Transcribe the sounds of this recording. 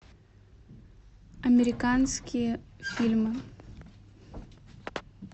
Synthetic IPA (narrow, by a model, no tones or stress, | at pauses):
ɐmʲɪɾʲɪkanskʲɪjəfʲilʲmɨ